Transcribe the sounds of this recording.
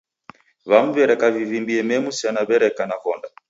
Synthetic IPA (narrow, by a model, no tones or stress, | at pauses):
βam̩vɛɾɛkavivimbiɛmɛmusianaβɛɾɛkanakɔnda